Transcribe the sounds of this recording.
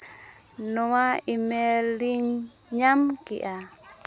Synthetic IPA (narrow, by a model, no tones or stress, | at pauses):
nɔwaimɛliɲ | ɲamkḭʔa